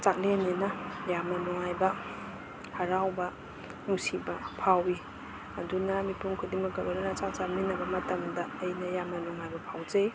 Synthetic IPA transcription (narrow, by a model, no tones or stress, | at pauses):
t͡ʃak̚lenenɐjamɐnɔŋajbɐ | hɐɾawbɐ | nuŋsibɐpʰawi | ɐdunɐmipuŋkʰudiŋmɐɡɐbɐɾaɾat͡ʃat͡ʃaminɐbɐmɐtɐmdɐːjnɐjamɐnuŋajbɐpʰawd͡ʒɐj